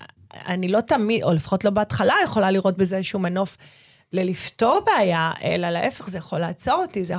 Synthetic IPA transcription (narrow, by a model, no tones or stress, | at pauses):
a̰nilo̞tamido̞lefḁχo̞tlo̞beatχalajeχo̞laliʁo̞t̚bezeʃumano̞f | lelifto̞ʁbeːjaʔe̞̰lalaʔe̞feχzejaχo̞laːt͡so̞ʁotize